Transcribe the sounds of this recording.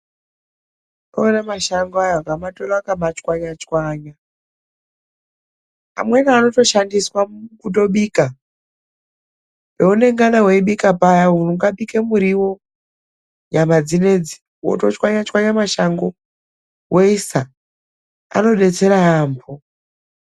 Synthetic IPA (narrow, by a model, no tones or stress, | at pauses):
oonamaʃaŋɡoajoɡamatolaakamat͡ʃkwaɲat͡ʃwaːɲa | a̰mwe̞naano̞to̞ʃandiswakuto̞ɓiːka | peune̞ŋɡanawe̞iɓikapajaunuŋɡaɓikemuɾiwo̞ | ɲamad͡zine̞d͡zi | wo̰to̞t͡ʃwaɲat͡ʃwaɲamaʃaŋɡo | weisa | a̰no̞ɗe̞t͡se̞ɾaambʰo